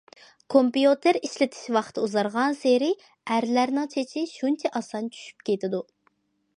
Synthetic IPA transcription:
kʰompjut̪ʰeɾiʃlɪt̪ʰɪ̥ʃwɑχt̪ʰɨuzɑɾʁɑnseɾɪ | æɾlæɾnɪŋt͡ʃʰet͡ʃʰɪʃunt͡ʃʰɛʔɑsɑnt͡ʃʰy̥ʃy̥p̚kʲet̪ɪd̪u

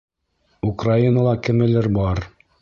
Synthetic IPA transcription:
ukrainəlˠɑkɘ̆mɘ̆lɘɾbɑɾ

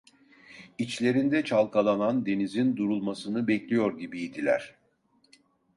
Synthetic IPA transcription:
it͡ʃlʲe̞ɾind̪ɛt͡ʃʰalˠkʰalˠanand̪e̞nizind̪uɾulˠmasɯnɯbɛclʲijo̞ɾɟibiːd̪ilʲæ̰ɾ̥

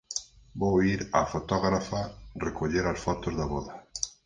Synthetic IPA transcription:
bowiɾafot̪ɔɣɾafarekoʎeɾasfɔt̪ozðaβɔðɐ

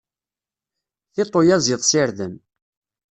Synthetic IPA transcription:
θɪt̪ˤːojæzɪðˤsɪɾðəm

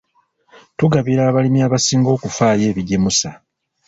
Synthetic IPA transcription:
tuɡaβiɾaːβalimjaːβasiːŋɡo̞ːkufaːje̞ːβiɟemusa

